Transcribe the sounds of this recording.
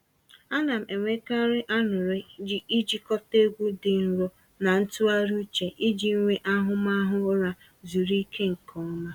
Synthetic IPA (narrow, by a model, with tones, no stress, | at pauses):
a˦na˨m̩˨e˨ŋʷe˦ka˦ɾɪ˦ʔa˦nʊ˨ɾɪ˦d͡ʒi˦i˦d͡ʒi˦kɔ˦te˦ɡʷu˦dɪ˨n̩˨ɾɔ˦ | na˨n̩˦tu˦a˦ɾu˦t͡ʃe˨ʔi˦d͡ʒi˨˦ŋʷe˦ʔa˦ɦʊ˦ma˦ɦʊ˦ɾa˦ | zu˨ɾi˦kʰe˦ŋ̩˨kʰɔ˦ma˦